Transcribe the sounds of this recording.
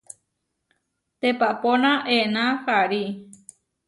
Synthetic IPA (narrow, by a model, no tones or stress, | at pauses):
t̪epaponãʔenãhaɾi